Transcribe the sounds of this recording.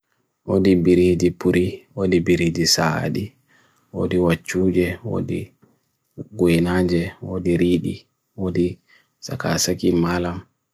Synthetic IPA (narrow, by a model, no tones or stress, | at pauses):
ʔodibiɾid͡ʒipuɾiwodibiɾid͡ʒisa̰ɗi | wo̰diwat͡ʃːuːd͡ʒɛwo̰di | ɡojinad͡ʒɛwodiɾiːɗi | wodi | sa̰ka̰sakimalam